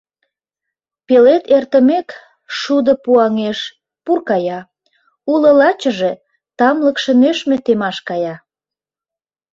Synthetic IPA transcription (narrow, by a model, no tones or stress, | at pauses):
pelet̪ert̪ə̆mek | ʃud̪ə̆puɑŋeʃ | purkɑjɑ | ulə̆lɑt͡ɕə̆ʒe̽ | t̪ɑmləkʃə̆nøʃmet̪emɑʃkɑjɑ